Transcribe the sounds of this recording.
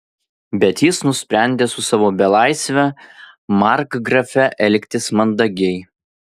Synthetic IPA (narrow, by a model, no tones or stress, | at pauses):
bʲɛt̪jɪsnʊsʲpʲɾʲænʲd̪ʲeːsʊsɑʋoːbʲɛlˠɑɪsʲʋʲɛ | mɑɾkɡɾɐfʲɛʔɛlʲkʲt̪ʲɪsmɐnd̪ɐɡʲɛɪ